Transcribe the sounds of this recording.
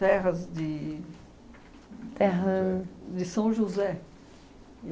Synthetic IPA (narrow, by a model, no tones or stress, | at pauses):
ɛʁɐzd̪ɪ | t̪ɛɦɐd̪ɪsɐ̃ʒuzɛ